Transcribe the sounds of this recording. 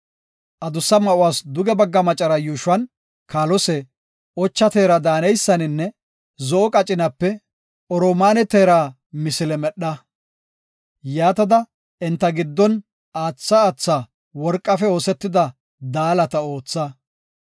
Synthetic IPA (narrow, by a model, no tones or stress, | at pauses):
ʔɐd̪ʊsːɐmɐʔʊwaːsd̪ʊɡɛbɐɡːɐmɐt͡ʃʼɐɾɐjuːʃwɐn | kaːlɔsɛ | ɔt͡ʃːɐt̪eːɾɐd̪aːnɛjsːɐnɪnːɛ | zɔɔkʼɐt͡ʃʼɪnɐpːɛ | ɔɾomaːnɛt̪eːɾaː | mɪsɪlɛmɛɗːɐ | jaːt̪ɐd̪ɐ | ɛnt̪ːɐɡɪd̪ːɔn | aːt͡sːɐːt͡sːaː | wɔɾkʼːɐfɛo̞ːsɛt̪ːɪd̪ɐ | d̪aːlɐt̪ɐo̞ːt͡sːɐ